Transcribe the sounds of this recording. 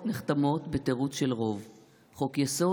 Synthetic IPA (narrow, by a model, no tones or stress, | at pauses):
neχt̪amo̞t̪beteʁut͡sʃelʁo̞v | χo̞kjaso̞